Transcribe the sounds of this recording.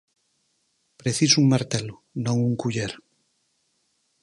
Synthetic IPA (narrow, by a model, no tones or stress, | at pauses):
pɾeθisuŋmaɾt̪elo | nõŋuŋkuʎeɾ